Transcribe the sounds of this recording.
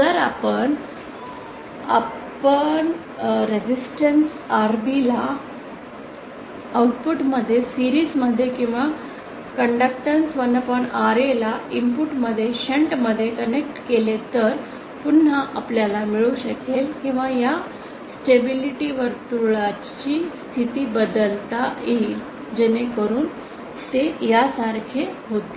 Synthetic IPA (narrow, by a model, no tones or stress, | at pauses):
t̪əɾa̰pəɳ | a̰ | pəɳ | ɾed͡ʑisʈəns | aɾbila | auʈpuʈməd̪ʱːjesiɾiːsməd̪ʱːjekĩw̃ʋa | kəɳɖək̚ʈənsʋənːəpəɳaɾelaimpuʈməd̪ʱːjeɕeɳʈməd̪ʱːjekənek̚ʈkelet̪əɾ | pun̤ːaʔapljalamiɭuɕəkelkĩw̃ʋaja | sʈebiliʈiʋəɾt̪uɭa | t͡ɕiːst̪ʰit̪iːbəd̪əlt̪ajei | d͡ʑenekəɾuːn | t̪ejasaɾkʰeɦot̪e̥